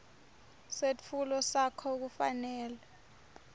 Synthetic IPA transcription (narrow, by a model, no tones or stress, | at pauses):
set͡fʰulɔsakʰɔuk̬ufa̰nɛːlɛ